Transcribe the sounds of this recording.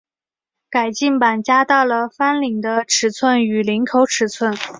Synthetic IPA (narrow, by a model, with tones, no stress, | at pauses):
ka˨˩ɪt͡ɕi˥˩ŋpa˨˩nt͡ɕja˥t̪ɑ˥˩ʊlə˩fa˥nli˨˩ŋd̪ə˦ʈ͡ʂʰɻ̩˨˧˥t͡sʰwə˥˩ny˨˩li˧˥ŋkʰo˧˥ʊʈ͡ʂʰɻ̩˨˧˥t͡sʰwə˥˩n